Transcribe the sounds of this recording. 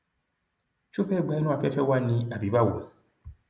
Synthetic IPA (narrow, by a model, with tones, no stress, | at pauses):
t͡ʃu˦fɛ˦˨ɡ͡ba˦nu˦a˨fɛ˦fɛ˦wa˦ni˦a˨bi˨ba˦˨wo˨